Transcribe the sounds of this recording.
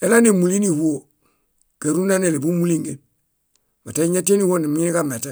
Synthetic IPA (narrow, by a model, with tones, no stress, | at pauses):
e˨la˦ne˨mu˨li˦ni˨hu˦o˨ | ɡ̥e˨ɾu˦na˦ne˨le˨bu˦mu˦li˦ŋɡe˨n | ma˨ta˦i˦ɲa˦te˦ni˦wo˦ni˨mi˦ɲ˦i˦ɡa˨me˨ta˦